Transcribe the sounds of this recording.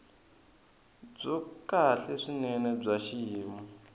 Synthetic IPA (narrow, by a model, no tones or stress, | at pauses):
b͡ʐɔkaɬɛʂinɛnɛb͡ʐaʃijiːmu